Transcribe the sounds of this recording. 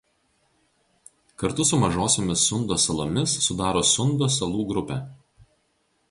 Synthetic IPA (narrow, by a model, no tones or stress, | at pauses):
kɐɾt̪ʊsʊmɐʒoːsʲoːmʲɪsːʊnd̪oːsɐlˠomʲɪsːʊd̪ɑːɾoːsʊnd̪oːsɐlˠuːɡɾʊpʲɛ